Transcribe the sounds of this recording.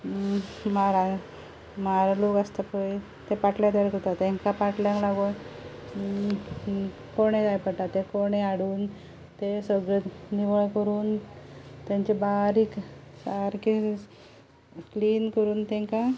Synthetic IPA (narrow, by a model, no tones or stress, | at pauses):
maɾa | maɾalokast̪apəj | t̪epaʈlat̪aɾkəɾt̪at̪ẽŋkapaʈljãŋklaɡo | koɽ̃ed̪ajpəɽʈ̪at̪ːekoɽ̃eaɽuːn | t̪esəɡɭeniʋəɭkəɾuːn | t̪jãɲt͡ɕebaɾiːksaɾki | kliːnkəɾuːnt̪ɛ̃ŋka